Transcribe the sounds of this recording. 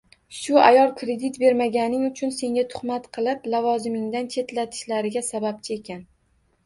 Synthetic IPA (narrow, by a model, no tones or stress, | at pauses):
ʃʊa̰jɒlˠkʰɾe̞d̪it̪be̞ɾmaɡʲanɪŋʊt͡ʃʰʊnse̞ŋʲat̪ʰʊ̥χmat̪qʰɨlˠɪplavɒzɪmɪŋd̪ant͡ʃʰe̞t̪lat̪ʰɪ̥ʃlaɾɪɡʲasabap̚t͡ʃʰɪe̞kʲʰan